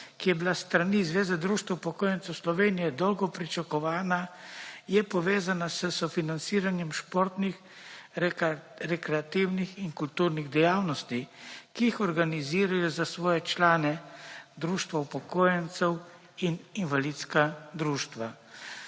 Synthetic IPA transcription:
kijɛbilast̪ɾanizʋeːzɛd̪ɾuːʃt̪ʋaupɔkoːjɛnt̪sɛwslɔʋeːnijɛd̪ɔwɡɔpɾit͡ʃakɔʋaːnajɛpɔʋeːzanasəsɔfinant̪siːɾanjɛmʃpoɾt̪nix | ɾɛkɾɛat̪iwnixinkult̪uːɾniɣd̪ɛjaːwnɔst̪ikijixɔɾɡaniziːɾajɔzasʋɔːjɛt͡ʃlaːnɛd̪ɾuːʃt̪ʋaupɔkoːjɛnt̪sɛw | ininʋalit̪skad̪ɾuːʃt̪ʋa

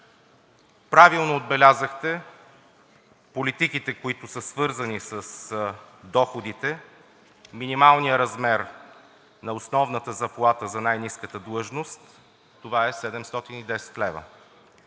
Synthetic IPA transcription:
pɾavilˠnoːd̪̚bɛlʲazəxt̪ɛ | polit̪ikit̪ɛkoit̪ʊsəsvɤɾzɐnisəs | d̪ɔxod̪it̪ɛ | minimalˠnijəɾɐzmɛɾ | nɐosnɔvnət̪əzɐplˠat̪əzɐnajniskət̪əd̪lˠɤʒnost̪ː | ovaɛsɛd̪ɛmst̪ɔt̪inid̪ɛsɛ̥t̪lɛvə̰

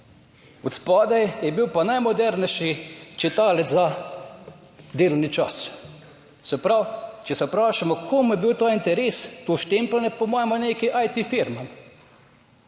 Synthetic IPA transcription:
ut̪spɔːd̪ɛjjɛbiwpanajmɔd̪ɛɾnɛʃit͡ʃit̪aːlɛzza | d̪eːlɔwnit͡ʃas | sɛpɾawt͡ʃɛsɛpɾaːʃamɔkʰomjɛbiwt̪oːint̪ɛɾest̪oʃt̪emplɛnɛpɔmɔːjmɔneːkiʔajt̪ifiɾmam

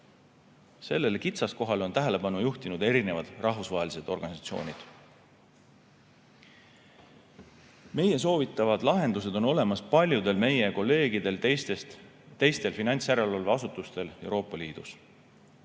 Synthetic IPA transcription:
se̞lːe̞lkit̪sɑsko̞ɦɑlo̞nt̪æɦele̞bɑnujuht̪inud̪e̞ɾine̞vɑd̪̥rʔɑɦvusvɑɦelise̞d̪̥o̞rɡɑnisɑt̪sio̞̰ːnʲid̪̥ | me̞je̞s̬o̞ːvit̪ːˑɑvɑd̪̥lɑɦe̞nd̪us̬e̞d̪̥o̞no̞le̞mɑspɑlʲjud̪̥e̞lme̞je̞ko̞lːe̞ːɡid̪e̞lst̪est̪ | t̪ːe̞jst̪e̞lfinɑnʲt̪sjæɾe̞lolveɑsut̪ːˑust̪e̞le̞wɾo̞ːpːˑɑliːd̪̥us

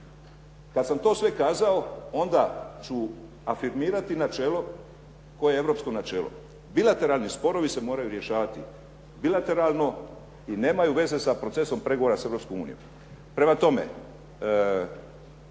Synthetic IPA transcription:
kad̪samt̪o̞ːsʋe̞kaːzaoo̞nd̪at͡ɕu | afiɾmiːɾat̪inat͡ʃe̞ːlo̞ | ko̞jeevɾo̞psko̞nat͡ʃe̞ːlo̰ | bilˠat̪e̞ɾaːlˠnispo̞ɾo̞ʋise̞mo̞ːɾajuɾje̞ʃaːʋat̪i | bilat̪e̞ɾalno̞ | ine̞ːmajuʋe̞ze̞sapɾo̞t̪se̞so̞mpɾe̞ɡoʋoɾaseɾo̞pskomuːnḭjo̰m | pɾe̞mat̪o̞mḛ

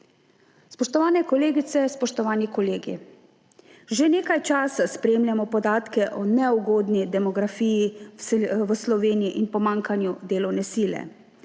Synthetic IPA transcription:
spɔʃt̪ɔʋaːnɛkɔleːɡit̪sɛspɔʃt̪ɔʋaːnikɔleːɡḭ | ʒeneːkajt͡ʃaːsaspɾeːmljamɔpɔd̪aːt̪kɛʔɔnɛuɡoːd̪nid̪ɛmɔɡɾafiːji | ʋəslɔʋeːnijiʔinpɔmãŋkanjud̪eːlɔwnɛsiːlɛ̰

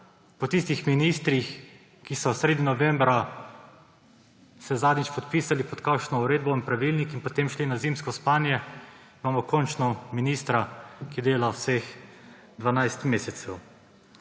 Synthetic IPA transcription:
pɔt̪ist̪ixminist̪ɾix | kisɔsɾeːd̪ninɔʋɛmbɾa | sɛzaːd̪nit͡ʃpɔt̪piːsalipɔt̪kakʃnɔuɾeːd̪̚bɔinpɾaʋilnikinpɔt̪emʃlinazimskɔspaːnjɛimaːmɔkɔnt͡ʃnɔminist̪ɾakid̪eːlawsex | d̪ʋanajst̪meːsɛsɛw

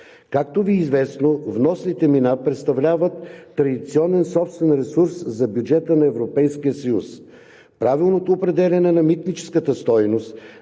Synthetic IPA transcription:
kakt̪oviːzvɛsnovnɔsnit̪ɛminapɾɛt̪st̪ɐvlʲavət̪ːɾɐd̪it̪siɔnɛnsɔpst̪vɛnɾɛsuɾszɐbjud͡ʒɛt̪ənɐɛvɾopɛjskijəsɐjus | pɾavilˠnot̪oːpɾɛd̪ɛlʲɐnɛnɐmit̪nit͡ʃɛ̥skət̪əst̪ɔjnost̪

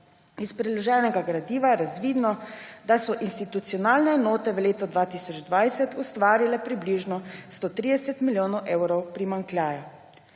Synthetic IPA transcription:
ispɾɛlɔʒɛːnɛɡaɡɾad̪iːʋajɛɾazʋiːd̪nɔd̪asɔʔinst̪it̪ut̪sijɔnaːlnɛɛnoːt̪ɛʋəleːt̪ɔd̪ʋaːt̪isɔd͡ʒd̪ʋajsɛt̪ʰust̪ʋaːɾilɛpɾibliːʒnɔst̪oːt̪ɾiːd̪ɛsɛt̪miljoːnɔwʔewɾɔwpɾimaŋklʲjaːja

